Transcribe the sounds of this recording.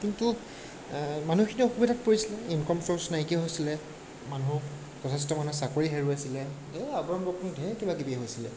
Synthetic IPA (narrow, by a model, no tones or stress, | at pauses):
kintu | manukʰinioxubidat̚poɹisilɛinkɔmsɔsnaikɛɦojsilɛ | manuɦʊk | tɔtʰɛs̬tɔmanusakoɹiɦeɹuasilɛ | ɛabɔɹɔmbɔkʰɔndʱɛkebakibiɛɦojsilɛ̰